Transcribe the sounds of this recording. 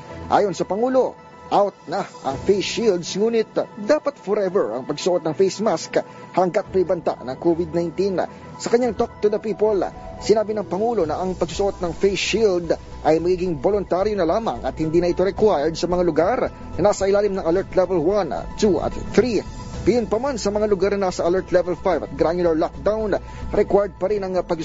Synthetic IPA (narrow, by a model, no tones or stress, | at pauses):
ʔa̰ːjo̞nsɐpɐŋuːlo̞ | ʔawt̪̚nɐʔɐŋfejsild̪sŋuːnɪt̪d̪aːpɐt̪foɾɛvɛɹɐ̰ŋpɐɡssʊʔo̞t̪̚nɐŋfejsmask | hɐŋɡɐt̪̚mɛjbɐnt̪a̰ʔnɐŋkovɪd̪̚najnt̪in | sɐkɐɲːaŋt̪ok̚t̪ʊd̪ɐpiːpolsɪnaːbɪnɐŋpɐŋuːlo̞nɐʔɐŋpɐɡs̬ʊ̥sʊʔo̞t̪̚nɐŋfejsild̪ | ʔɐjmɐɡiːɡɪŋbolʊnt̪aɾjonɐlaːmɐŋʔɐt̪̚hɪnd̪iːnɐʔɪt̪oɾɛkwajɹd̪̚sɐmɐŋalʊɡaɾ | nɐnaːsɐʔɪlaːlɪmnɐŋɐlɛɹt̪lɛvɛlwan̰t̪ːuʔɐ̰t̪t̪ɾi | ɡ̪ɐjʊnpɐmansɐmɐŋalʊɡaɾnɐnaːsɐʔɐlɛɹt̪lɛvɛlfajvɐt̪̚ɡɾaɲʊlɐɹlok̚d̪awn | ɾɛkwajd̪̚pɐɾɪnɐŋpɐɡ